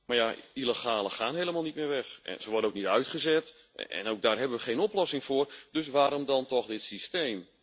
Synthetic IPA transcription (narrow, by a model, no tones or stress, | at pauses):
marjailəxaːləχaːnɦejləmaːlˠnit̚mɪːrʋɛxɛ̰nsəʋɔrdənowk̚nitœɥtχəzɛt | ɛ̰nowɡ̚daːrɦɛbənʋəχejnɔplɔsɪŋfʊːrdøs̬ʋaːɾɔmdɔntɔxdɪtsisteːm